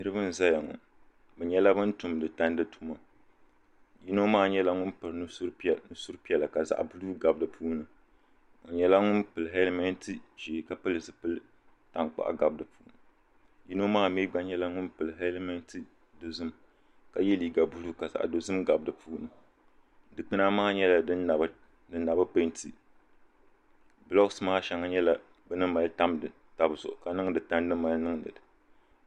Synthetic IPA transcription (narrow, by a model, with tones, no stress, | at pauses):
nɨ˦ɾɨ˦bɨ˦n̩˨za˦ja˨ŋʊ̰˨n | bɛ˨ɲɛ˦la˦bɨ˦ntu˨mdɨ˨ta˦n˦dɨ˦tʰu˦ma˨ | ji˦no˦maː˦˨ɲɛ˦la˦ŋʊ˦npɨ˨ɾnɨ˦ɾpnɨ˦su˦ɾpi˦ɛ˦la˨ka˨za̰˨ʔbu˦lu˦ɡa˨bdɨ˨pʰuː˦nɨ˨ | o˨ɲɛ˦la˦ŋʊ˦npɨ˨lɦɛ˦lmɛ˦n˦tɨ˦ʒe˨ka˨pɨ˦lɨ˨zɨ˨pɨ˦l | ta˨ŋk͡pa̰˨ʔa̰˨ɡa˨bdɨ˨puː˦nɨ˨ | ji˦no˦maː˦˨mi˦ɡ͡ba˦ɲɛ˦la˦ŋʊ˦npɨ˨lɦɛ˦lmɛ˦n˦tʰɨ˦ | do˨zɨ˦m | ka˨jɛ˦li˨ɡa˨bu˦lu˦ka˨sa̰˨ʔa̰˨do˨zɨ˦mɡa˨bdɨ˨puː˦nɨ˨ | dɨ˨k͡pɨ˦na˦maː˦ɲɛ˦la˨ɨ˦˨ | dɨ˨nːa˨bɨ˦pe˦nti˨ | blɔ˦ksmaː˦ʃɛ˨ŋa˨ɲɛ˦la˨ | bɛ˦nɨ˦ma˨lta˦mdɨ˨ | ta˨bɨ˨sʊ̰˨ka˨nɨ˦ŋ˦dɨ˨ta˦n˦dɨ˦ma˨lnɨ˦ŋ˦nɨ̰˨dɨ˨